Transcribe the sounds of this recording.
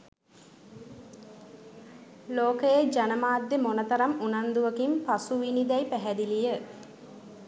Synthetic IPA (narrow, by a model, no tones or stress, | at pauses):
loːkəjəd͡ʒanəmaːd̪ːemonət̪ɐɾamunand̪uʋəkimpasuʋinid̪ɛjpæɦæd̪ilijə